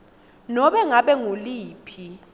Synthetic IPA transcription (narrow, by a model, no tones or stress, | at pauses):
nɔɓɛŋaɓɛŋuliːpʰi